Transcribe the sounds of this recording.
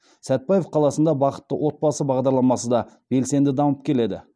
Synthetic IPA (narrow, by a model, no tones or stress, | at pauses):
sæt̪̚pɑjefqʰɑlˠɑsənd̪ɑbɑqə̥t̪ːəwʔo̞t̪̚bɑsəbɑʁd̪ɑɾlˠɑmɑsəd̪ɑ | b̥e̞lse̞nd̪ɪd̪ɑməp̚kʲʰe̞le̞d̪ɪ̰